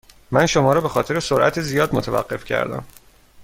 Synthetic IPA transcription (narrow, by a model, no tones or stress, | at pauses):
mænʃomɒːɾɒːbe̞xɒːt̪ʰe̞ɾesoɾʔæ̰t̪ʰezijɒːd̪mot̪ʰævæ̰ɢːe̞fcʰæ̰ɾd̪æ̰m